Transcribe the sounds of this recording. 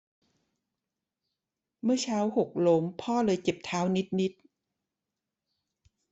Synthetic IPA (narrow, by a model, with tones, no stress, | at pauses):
mɯ˥˩ɐt͡ɕʰaː˦˥who˨˩k̚lo˦˥mpʰɔː˥˩lɤː˧jke˨˩p̚t̪ʰaː˦˥wni˦˥t̪̚ni˦˥t̪̚